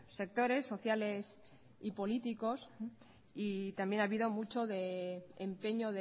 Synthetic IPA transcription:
se̞k̚t̪o̞ɾe̞sːo̞θjale̞s | ipo̞lit̪iko̞s | it̪ambje̞naβiðo̞mut͡ʃo̞ðe̞empe̞ɲo̞ðe

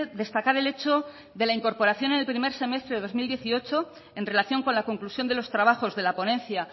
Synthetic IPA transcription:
ðe̞st̪akaɾe̞le̞t͡ʃo̞ | ðe̞laiŋko̞ɾpo̞ɾaθjo̞ne̞nelpɾime̞ɾse̞me̞st̪ɾe̞ðeðo̞zmild̪je̞θio̞t͡ʃo̞ | e̞nre̞laθjo̞ŋko̞nlako̞ŋklusjo̞nd̪e̞lo̞st̪ɾaβ̞axo̞zðe̞lapo̞nẽ̞nθja

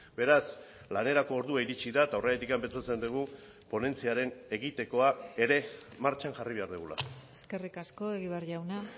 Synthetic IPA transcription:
be̞ɾas | lane̞ɾako̞ːɾðuaiɾit͡ʃiðaet̪aoreet̪̬ikampe̞nt͡sat͡se̞nd̪uɣ̞u | po̞ne̞nt͡siaɾe̞ne̞ɣit̪e̞ko̞ae̞ɾe̞ | maɾt͡ʃanʝariβe̞aɾðuɣula̰eske̞rikasko̞e̞ɣiβeaɾʝawna

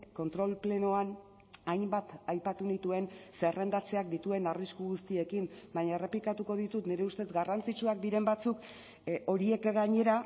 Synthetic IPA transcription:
ko̞nt̪ɾo̞lple̞noan | ajmbat̪ajpat̪unit̪ue̞nse̞re̞nd̪at͡se̞ak̚d̪it̪ue̞nariskuɣust̪ie̞kimbaɲae̞re̞plikat̪uko̞ðit̪ut̪neɾe̞ust̪e̞zɡarant͡sit͡ʃuak̚d̪iɾe̞mbat͡suk | o̞ɾie̞kɡaɲe̞ɾa

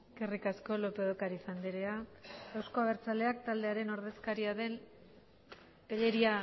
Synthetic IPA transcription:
kerikasko̞lo̞pe̞ð̞okaɾisand̪eɾeaɡawsko̞aβ̞e̞ɾt͡sale̞ak̚t̪ald̪e̞aɾe̞no̞ɾðe̞skaɾiaðe̞n | peʎe̞ɾia

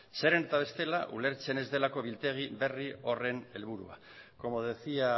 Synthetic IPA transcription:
se̞ɾenet̪aβ̞e̞st̪e̞laʔṵle̞ɾt͡se̞ne̞zðe̞lako̞βilt̪e̞ɣ̞iβe̞rio̞re̞ne̞lβ̞uɾua̰ | ko̞mo̞ð̞e̞θia

